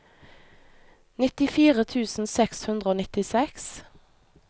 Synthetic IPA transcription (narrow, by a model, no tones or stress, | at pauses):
nɪt̪ɪfiːʁət̪ʰʉːsn̩sɛkshʉnd̪ʁəoːnɪt̪ɪsɛks